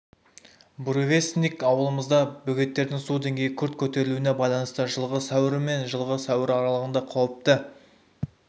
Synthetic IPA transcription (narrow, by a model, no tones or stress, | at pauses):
bɾove̞snikɑwəlˠəməzd̪ɑbɵɡʲe̞t̪ːe̞ɾd̪ɪŋsud̪e̞ŋʲɡʲe̞jɪkʲʰʏɾt̪̚kʲʰɵt̪e̞ɾɪluɪne̞bɑjlˠɑnəst̪əʒəlˠʁəsæwɪɾɪme̞nʒəlˠʁəsæwɪɾɑɾɑlˠəʁənd̪ɑqʰɑwəp̚t̪ə